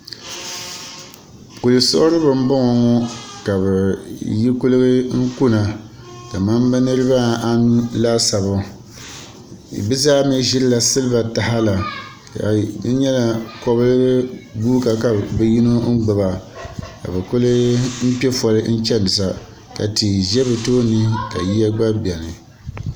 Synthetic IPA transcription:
ku˨lɨ˨so˦ʔʊ˦ɾɨ˦bɨ˨m̩˦bɔ˦ŋɔ˨ŋɔ˦ka˨bɛ˨ji˦kʊ˦lɨ˦ɡɨ˦ŋ̩˦ku˦na˨ | da˨ma˦m˦bɛ˦nɨ˦ɾɨ˦ba˦a˦n˦la˦sa˨βʊ˨ | bɨ˦zaː˦mɛ˦ʒɪ˦lla˨sɨ˦lɨ˦ba˨ta˨ha˦la˨ | ka̰˨dɨ˦ɲɛ˦la˨kɔ˦bɨ˦lɨ˦ɡɨ˦ɡuː˦ka˨ka˨bɛ˦ji˦no˦n̩˦ɡ͡bɨ˨ba˨ka̰˨bɛ˨kʊ˦lɨ˦m̩˦pɛ˦fɔ˨ɾɨ˦n̩˦t͡ʃɛ˦nɨ˨sa˨ | ka̰˨ti˨ʒɛ˦bɨ˨toː˦nɨ˦ka˨ji˦ja˦ɡ͡ba˦bɛ˨nɨ˨

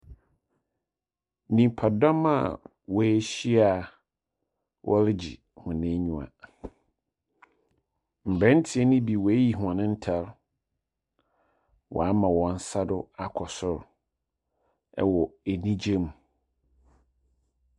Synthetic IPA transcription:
nĩ˨m˨pʰa˨dɔ̃˦ma̰˦˨ | wɔ˨æ˦ɕi˦a˨ | wʔɔ˦lɪ˦d͡ʑḭ˨ | hʊ̃˨nɪ̃˦ɲũ˨a̰˨ | m̩˨bɾɛ̃˦n̩˦tʰi˨ɛ˦nɪ̃˦bi˨wɔ˨æ˦ji˨ɦũ˨ã˨nɪ̃˦n̩˦tʰɛ˦ɾ | wʔɔ̰˨a˦mã˨wɔ̃˨n̩˦sa˦dʊ˦a˨kʰɔ˨sʊ˦˨ɾ | ɛ̰˦wɔ˨æ˨nĩ˦d͡ʑe˦mu˨

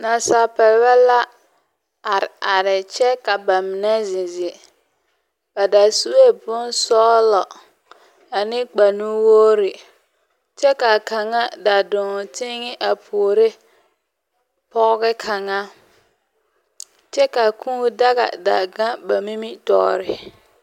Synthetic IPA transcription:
na˨sa˨pɛ˨ɾba˦la˦ | a˨ɾɪ˨a˨ɾɪ˨t͡ʃɛ˦ka˨ba˨mɪ˨nɛ˦zɪ̃˨zɪ˨ | ba˨da˨su˦we˦bʊ˦nsɔː˦lɔ˨ | a˨nɪ˦k͡pa˨nũ˦woː˦ɾɪ˨ | t͡ʃɛ˦ka˨ka˨ŋa˦da˨dʊ̃˨tɪ˦ŋɪ˦ʔa˨pʰu˨o˨ɾe˦ | pɔ˦ɣɡɛ˦kʰa˨ŋa˦ | t͡ʃɛ˦ka˨kʰũ˦da˦ɣa̰˨da̰˨ɡa˦ba˨mi˦mi˦tɔ̰ː˦ɾɪ˨

